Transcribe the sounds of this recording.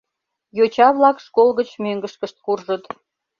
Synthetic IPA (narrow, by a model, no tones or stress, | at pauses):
jot͡ɕɑβlɑkʃkolɣət͡ɕmøŋɡəʃkəʃt̪̚kurʒət̪